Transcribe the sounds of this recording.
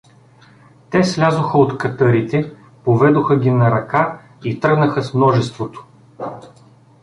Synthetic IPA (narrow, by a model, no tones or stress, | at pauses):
t̪ɛslʲazoxəot̪kɐt̪ɤɾit̪ɛ | povɛd̪oxəɡʲinɐɾɐka | it̪ɾɤɡnəxəsmnɔʒɛst̪vot̪o̥